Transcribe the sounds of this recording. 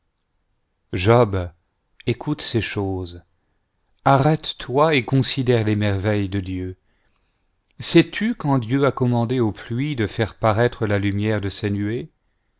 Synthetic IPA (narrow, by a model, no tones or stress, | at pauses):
ʒɔb | ekʰut̪seʃoz | aʁɛt̪ːwaekɔ̃sid̪ɛʁlemɛʁvɛjd̪əd̪jø | sɛt̪ʰykɑ̃d̪jøakɔmɑ̃d̪eoplɥid̪əfɛʁpaʁɛt̪χəlalymjɛʁd̪əsenye